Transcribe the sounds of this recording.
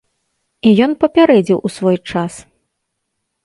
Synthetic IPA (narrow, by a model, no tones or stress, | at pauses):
ijɔnpɐpʲaɾɛd͡zʲiwʔusvɔjt͡ʂas